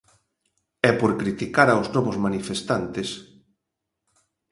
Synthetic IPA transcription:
ɛpoɾkɾit̪ikaɾaoznɔβʊzmanifest̪ant̪es

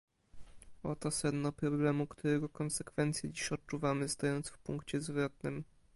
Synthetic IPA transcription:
ɔt̪ɔsɛd̪nɔpɾɔblɛmukt̪uɾɛɡɔkɔnsɛkfɛnt̪sʲjɛd͡ʑiɕɔt̚t͡ʂuvamɘst̪ɔjɔnt̪sfpuŋkt͡ɕɛzvɾɔt̪̚nɘm

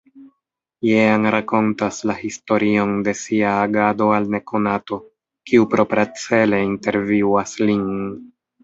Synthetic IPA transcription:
jeanɾako̞ntaslahisto̞ɾio̞nde̞siaːɡado̞alne̞kʰo̞nato̞ | kiupɾo̞pɾat͡se̞le̞inte̞ɾviwaslin

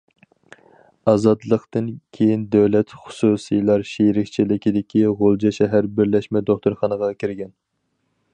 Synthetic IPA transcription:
ɑːzɑt̪lˠəqt̪ɨnkʲʰejind̪æwlɛt̪χʊ̥susɨjlˠɑɾʃijɾɪkʲt͡ʃʰilɪkʲid̪ɪkʲiʁolˠd͡ʒɑʃɛɦæɾbɪɾlɛʃmɛd̪oχt̪uɾχɑnəʁɑkʲʰiɾɡʲɛn

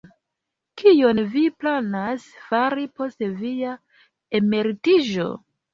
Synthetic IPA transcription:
kijo̞nviplanasfaɾipo̞stevija | eme̞ɾitiʒo̞̰

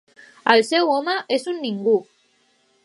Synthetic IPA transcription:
alsewomaʔesunːĩŋɡu

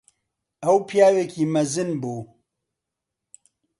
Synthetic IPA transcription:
ɐwpʰjaːweːkʰiːmɐzɨnbuː

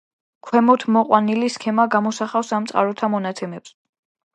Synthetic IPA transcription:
kʰwɛmɔt̪ʰmɔqʼwaniliskʰɛmaɡamɔsaχafsamt̪sʼa̰ɾɔt̪ʰamɔnat̪sʰɛmɛps

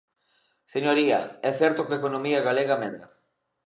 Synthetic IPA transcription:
seɲoɾiɐ̰ɛθɛɾt̪okekonomiɐɣaleɣɐmɛðɾɐ̰

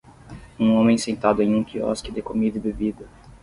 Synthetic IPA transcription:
ũõmẽj̃sẽnt̪ad̪ʊẽj̃ũkiɔ̰skɪd̪ɪkomid̪ɪbebid̪ɐ

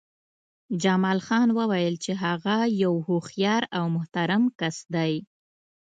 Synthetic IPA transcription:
d͡ʒamɑlxɑnwəwajəlt͡ʃeɦaɣajawhoxjɑɾawmʊht̪aɾamkasd̪aj

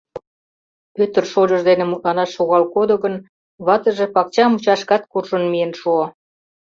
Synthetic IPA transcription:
pøt̪ərʃod͡ʑə̆ʒd̪enĕmut̪lɑnɑʃːoɣɑlkod̪oɣən | βɑt̪ə̆ʒĕpɑk̚t͡ɕɑmut͡ɕɑʃkɑt̪̚kurʃənmijenʃuo

